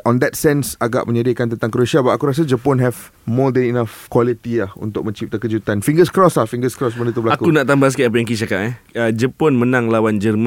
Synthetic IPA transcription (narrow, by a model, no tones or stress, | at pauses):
ɔ̃nd̪ɛtsɛ̃nsaɡa̰ʔmə̃ɲadiakant̪ənt̪aŋkəɾuʃiabaʔakuɾas̬ad͡ʒəpɔnɦɛvmɔd̪ɛ̃ninafkwɔlit̪ilahṵnt̪ʊk̚mə̃ɲt͡ʃip̚t̪akəd͡ʒut̪anfĩŋɡəskɾɔslahfiŋɡəskɾɔs̬bə̃ndət̪ubəlaakukunaʔt̪ambas̬kiʔap̬ajaŋkit͡ʃakaʔɛəd͡ʒəpɔnmənãŋlawand͡ʒərmã